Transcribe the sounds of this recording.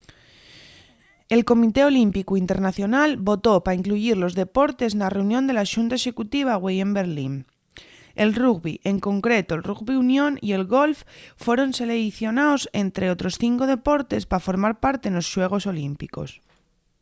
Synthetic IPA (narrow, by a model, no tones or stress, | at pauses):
e̞lko̞mit̪e̞o̞limpikuint̪e̞ɾnaθjo̞nalbo̞t̪o̞paiŋkluiɾlo̞zðe̞po̞ɾt̪e̞znare̞unjond̪elaʃunt̪ae̞ʃe̞kut̪iβ̞aɣwejembe̞ɾlin | e̞lruɣβiʔe̞ŋko̞ŋkɾe̞t̪o̞lruɣβiunjõ̞nie̞lɣo̞lffwe̞ɾo̞nse̞leɣiθjo̞nao̞se̞nt̪ɾʔe̞o̞t̪ɾo̞sθiŋko̞ðe̞po̞ɾt̪e̞spafo̞ɾmaɾpaɾt̪e̞nlo̞sʃwe̞ɣ̞o̞so̞limpiko̞s